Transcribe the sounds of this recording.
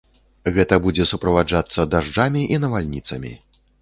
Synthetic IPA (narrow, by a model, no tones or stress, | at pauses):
ɣɛt̪ɐbud͡zʲɛsupɾɐvad͡ʐat̪sːɐd̪aʐd͡ʐamʲiʔinɐvalʲnʲit̪sɐmʲḭ